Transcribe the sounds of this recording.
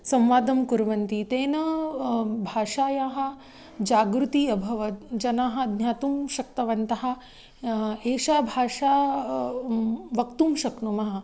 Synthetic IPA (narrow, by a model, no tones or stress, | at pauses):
sɐ̃mʋaːd̪ɐmkuɾʋɐnt̪it̪eːnɐ | bʱaːʂaːjaːɦɐ̆ | d͡ʒaːɡɾut̪iɐbʱɐʋɐd͡ʒɐnaːɦɐ̆d̪nʲjaːt̪umʃɐk̚t̪ɐʋɐnt̪ɐɦɐ̆ | eːʃaːbʱaːʂaː | ʋɐkt̪umʃɐknumɐɦɐ̆